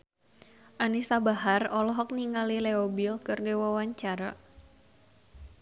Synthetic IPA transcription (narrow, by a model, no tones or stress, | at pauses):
ʔanisabaɦarɔlɔɦɔk̚niŋalileɔbilkɨrdewawaɲt͡ʃaɾa